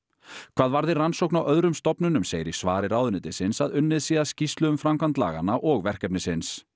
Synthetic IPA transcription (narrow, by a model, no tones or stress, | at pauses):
kʰv̥aːðvaɾðɪransowknawʔœðɾʏmst̪ɔpnʏnʏmseːjɾɪ̥svaːɾɪɾaːwðʏnɪːt̪ɪsɪnsaðʏnːɪðsiːðascist̪lʏʏmfɾamkant̪la̰ːɣa̰naʔɔɣvɛr̥cɛpnɪsɪns